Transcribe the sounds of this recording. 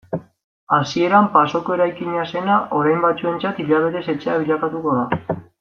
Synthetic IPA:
asie̞ɾampaso̞ko̞e̞ɾajkiɲase̞naʔo̞ɾajmbat͡sue̞nt͡sat̪iʎaβ̞e̞t̪e̞se̞t͡se̞aβiʎakat̪uko̞ða

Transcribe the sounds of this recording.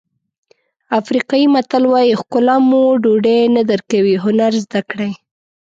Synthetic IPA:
afɾiqɑjimat̪alwɑjixkʊlamuɖoɖenad̪əɾkawiɦʊnaɾzd̪akɽaj

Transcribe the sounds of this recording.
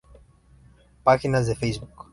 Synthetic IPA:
paxinazɛfɛjzbuk

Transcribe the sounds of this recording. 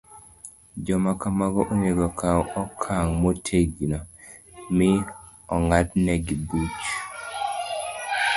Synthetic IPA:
d͡ʒɔmakamaɡɔʔoneɡɔkawɔkʰaŋmotʰeɡinɔ | mɪ | ɔŋatnɛɡibut͡ʃ

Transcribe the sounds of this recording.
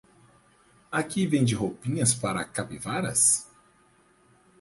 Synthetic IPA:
akivẽj̃d͡ʒɪɦopĩɲɐspaɾɐkapivaɾɐ̰s

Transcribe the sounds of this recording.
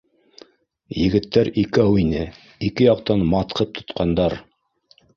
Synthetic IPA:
jɘ̆ɡɘ̆t̪ːæɾikæwinɘ | ikɘjɑqt̪ɑnmɑt̪qʰɤp̚t̪ʰŏ̥t̪qɑnd̪ɑɾ

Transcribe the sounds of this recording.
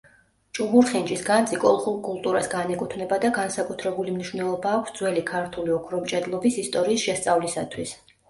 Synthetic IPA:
t͡ʃʼubuɾχint͡ʃʼisɡant̪sʼikʼɔlˠχulˠkʼulˠt̪ʼuɾasɡanɛkʼut̪ʰvnɛbad̪aɡansakʼut̪ʰɾɛbulimniʃvnɛlˠɔbaːkʰʷsd̪zwɛlikʰaɾt̪ʰuliɔkʰɾɔmt͡ʃʼɛd̪lˠɔbisist̪ʼɔɾiːsʃɛst̪sʼavlisa̰t̪ʰwis

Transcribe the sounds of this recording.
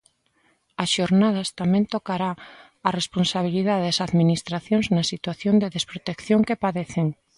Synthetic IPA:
asʃoɾnað̞ast̪amẽnt̪okaɾaː | responsaβ̞iliðaðeðasaðminist̪ɾaθjoŋznasit̪waθjond̪eðespɾot̪ekθjoŋkepaðeθeŋ

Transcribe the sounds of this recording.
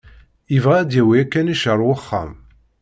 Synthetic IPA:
ivʁaːd̪jæwiækːæniʃəɾˤwəχːa̰m

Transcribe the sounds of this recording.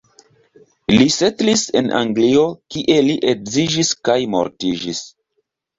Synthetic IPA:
lisetlise̞̰nʔa̰ŋɡlio̞kiʔe̞liʔekzid͡ʒiskajmo̞̰ɾtid͡ʒis

